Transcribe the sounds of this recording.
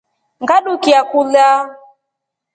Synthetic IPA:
ŋɡaɗukiakula

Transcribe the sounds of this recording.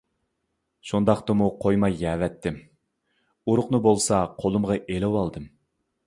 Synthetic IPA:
ʃund̪ɑqt̪ɨmuqʰojmɑjɛːvɛt̪ʰːɪm | uɾʊqnɨbolˠsɑqʰolˠɨmʁɑʔelɛwɑlˠd̪ɨm

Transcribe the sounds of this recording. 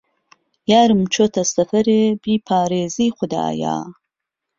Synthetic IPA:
jaːɾɨmt͡ʃʰot̪ʰɐsɐfɐɾeːbiːpʰaːɾeːziːχʷʊd̪a̰ːja̰ː

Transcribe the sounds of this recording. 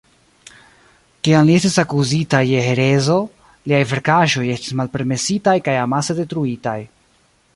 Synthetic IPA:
kiamlie̞stisakuzitajeɦe̞ɾe̞zo̞ | liajve̞ɾkaʒo̞je̞sti̥smalpe̞ɾme̞sitajkajamase̞de̞tɾuitaj

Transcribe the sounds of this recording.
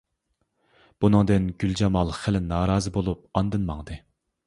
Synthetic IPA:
b̥unɨŋd̪ɨnɡʲyld͡ʒɑmɑlˠχælɪnɑːɾɑːzɨbolˠup̚ɑnd̪ɨnmɑŋd̪ɨ

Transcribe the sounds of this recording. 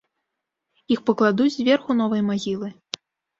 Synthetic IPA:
ixpɐklˠad̪ud͡zʲzʲvʲɛrxunɔvɐjmaɣʲilˠɨ

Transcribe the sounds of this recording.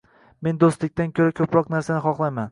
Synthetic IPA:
me̞nd̪ost̪lɪk̚ʲt̪ankʲʰɵɾakʲʰɵpɾɒqnaɾsanɪχɒχlˠajman

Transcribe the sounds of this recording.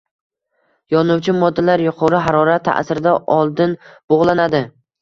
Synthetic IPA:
jɒnʊwt͡ʃʰɪmɒd̪ːalaɾjʊqʰɒɾɪɦaɾɒɾat̪ʰːa̰ʔsɪɾɪd̪aʔɒlˠd̪ɪnb̥oʁlˠanad̪ɪ

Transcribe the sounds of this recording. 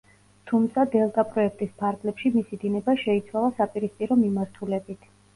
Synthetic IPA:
t̪ʰumt̪sʰad̪ɛlˠt̪ʼapʼɾɔɛk̚ʰt̪ʼispʰaɾɡlɛpʃimisid̪inɛbaʃɛit̪sʰwalˠasapʼiɾispʼiɾɔmimaɾt̪ʰulɛbit̪ʰ

